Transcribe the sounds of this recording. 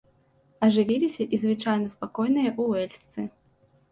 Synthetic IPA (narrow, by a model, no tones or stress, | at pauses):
ɐʐɨvʲilʲisʲɐʔizvɨt͡ʂajnɐspakɔjnɨjɐʔuwɛlʲst̪sɨ